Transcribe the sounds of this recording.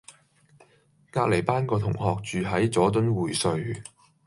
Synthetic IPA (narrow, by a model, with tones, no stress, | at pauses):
kaː˧k̚le˨˩jpaː˥nkɔː˧t̪ʰʊ˨˩ŋhɔː˨k̚t͡ʃyː˨ɦɐ˨˥jt͡sɔː˨˥t̪̬ɵ˥nwuː˨˩jsɵ˨ɥ